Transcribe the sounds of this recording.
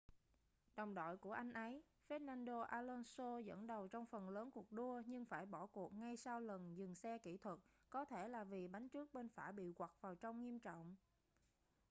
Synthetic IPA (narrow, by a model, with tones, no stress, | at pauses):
ɗɔ˨˩wŋ͡mɗɔ̰˧˨jku˧˩əʔa˧jŋ̟ʔə˨˦j | fe˦˥t̚naː˧nɗo˧ʔaː˧lɔ˧nso˧zə̰˧˥nɗə˨˩wt͡ɕɔ˧wŋ͡mfə˨˩nləː˨˦nku˨˩ək̚ɗu˧əɲɨ˧ŋfaː˧˩jɓɔ˧˩ku˨˩ək̚ŋa˧jsaː˧wlə˨˩nzɨ˨˩ŋsɛ˧kḭ˧˩t̪ʰwə˨˩t̚kɔ˨˦t̪ʰe˧˩laː˨˩vi˨˩ɓa˨˦jŋt͡ɕɨ˦˥ək̚ɓe˧nfaː˧˩ɓḭ˧˨kwa˨˩k̚vaː˨˩wt͡ɕɔ˧wŋ͡mŋi˧əmt͡ɕɔ̰˧˨wŋ͡m